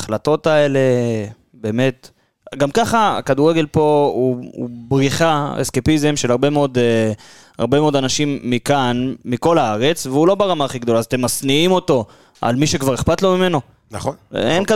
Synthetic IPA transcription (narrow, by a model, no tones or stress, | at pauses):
aχlato̞t̪ae̞le̞ | be̞ːme̞t̪ | ɡamkaχa̰kad̪uʁe̞ɡe̞lpo̞ṵbʁiχaḛskepizemʃelaʁbe̞meo̞d̪e | a̰ʁbe̞meo̞d̪anaʃimːikanmiko̞laaʁe̞t͡sveulo̞beʁamaːχiɡd̪o̞laːzat̪e̞mːasniimo̞to̞ | a̰lmiʃekvaʁeχpat̪lo̞mime̞no̞ | naχonenk